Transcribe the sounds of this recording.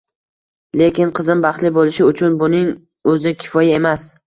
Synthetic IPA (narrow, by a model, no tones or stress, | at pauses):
le̞kʲɪnqʰɨzɪmbɑχt̪lɪbolɪʃɪʊt͡ʃʰʊnbʊnɪŋ | ɵzɪkʲʰɪ̥fɒjae̞mas